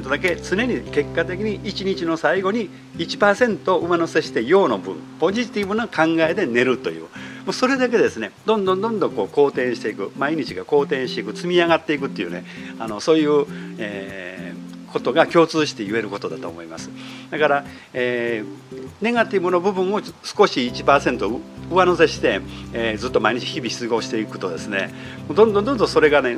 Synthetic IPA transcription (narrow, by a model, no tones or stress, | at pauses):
t̪od̪ake̞t͡sɨne̞ɲ̟ike̞kːat̪e̞kʲiɲ̟iʔit͡ɕiɲit͡ɕino̞saiɡo̞ɲ̟i | it͡ɕi̥paːsẽ̞nt̪oːʔɯmanose̞ɕi̥t̪e̞jo̞ːno̞bɯ̟̰̃mpo̞ʑit̪ʲibɯ̟nokʰãŋɡae̞d̪e̞ne̞ɾɯ̟t̪o̞̰jɯ̰ːmoso̞ɾe̞d̪ak̬e̞d̪e̞sɨne̞d̪õ̞nd̪õ̞nd̪õ̞nd̪õ̞ŋko̞ːko̞ːt̪ẽ̞ɰ̃ɕi̥t̪e̞ikɯ̟maiɲ̟it͡ɕiɡako̞ːt̪ẽ̞ɰ̃ɕit̪e̞ikɯ̟t͡sɨmʲiaɡat̪ːeikɯ̟t̪ːojɯ̟̰ːne̞ano̞so̞ːjɯ̟ːeː | kʰo̞t̪o̞ɡakʲo̞ːt͡sɨːɕi̥t̪e̞jɯe̞ɾɯ̟ko̞t̪o̞d̪at̪o̞̰ːmo̞ima̰sɨ̥d̪akaɾa | e | ne̞ɡat̪ʲibɯno̞bɯ̟bɯ̟̃ɰ̃o̞sɨ̥ko̞ɕiːt͡ɕipaːsẽ̞nt̪oɯanose̞ɕi̥t̪e̞ed͡zɨt̪ːo̞maiɲ̟it͡ɕi̥çibʲiçi̥t͡sɨɡo̞ːɕit̪e̞ikɯ̟̥t̪o̞d̪e̞sɨne̞̰ | moːd̪õnd̪õd̪õ̞nd̪õso̞ɾe̞ɡane̞